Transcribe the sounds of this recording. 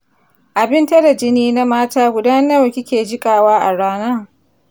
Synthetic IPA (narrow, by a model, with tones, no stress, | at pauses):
ʔa˨bɪ˦ntɐ˦da˨d͡ʒɪ˦niː˦na˦maː˦taː˦ɡʷʊ˨da˦nɐ˦wkʲɪ˦kʲeː˨d͡ʒɪ˦kʼaː˨waː˦ʔa˨ɽaː˦na˦